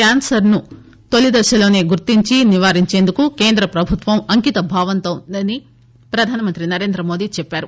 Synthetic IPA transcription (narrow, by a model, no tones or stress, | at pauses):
aːnsɐɾnu | t̪olid̪ɐʃɐlo̞ːne̞ːɡuɾt̪ːiɲt͡ʃiniʋaːɾiɲt͡ʃe̞ːnd̪ukuke̞ːnd̪ɾɐpɾɐbʱut̪ʋɐmɐŋkit̪ɐbʱaːʋɐnt̪ɐmɐni | pɾɐd̪ʱaːnɐmɐnt̪ɾinɐɾe̞ːnd̪ɾɐmo̞ːd̪it͡ʃɛpːaːɾu